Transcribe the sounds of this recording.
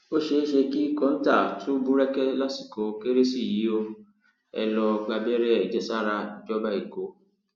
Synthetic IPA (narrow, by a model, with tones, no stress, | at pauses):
o˦ʃe˧˦ʃe˧ki˦kɔ̃˦n̩˦ta˦˨tʰũ˦bũ˦ɾɛ˦kɛ˦la˦ti˨ko˨˦ke˦ɾe˦si˦˨ji˨˦o˧ | ɛ̰˧lɔ˧ɡ͡ba˧bɛ˦ɾɛ˦ɛ˨d͡ʒɛ˨sa˦ɾa˧i˨d͡ʒɔ˦ba˦i˨ko˨˦